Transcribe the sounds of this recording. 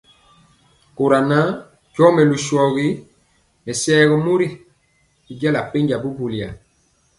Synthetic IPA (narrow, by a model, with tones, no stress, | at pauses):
ko˨ɾa˨na˦ | t͡ʃɔ˦mɛ˨lu˨ʃɔ˨ɣi˦ | mɛ˨sɛ˦ɣɔ˦mu˦ɾi˦ | i˦d͡ʒɛ˦la˨pe˦ɲd͡ʒa˨bu˦bu˨lja̰˨